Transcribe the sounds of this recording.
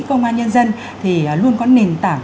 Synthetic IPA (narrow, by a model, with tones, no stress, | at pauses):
kə˧wŋ͡mʔaː˧nɲə˧nzə˧n | t̪ʰi˨˩˨lu˧ənkɔ˨˦ne˨˩nt̪aː˧˩ŋ